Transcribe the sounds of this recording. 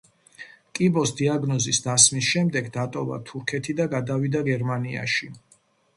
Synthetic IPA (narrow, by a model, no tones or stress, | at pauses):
kʼibɔsd̪iaɡnɔzisd̪asmisʃɛmd̪ɛɡd̪at̪ʼɔva̰t̪ʰuɾkʰɛt̪ʰid̪aɡad̪avid̪aɡɛɾmania̰ʃi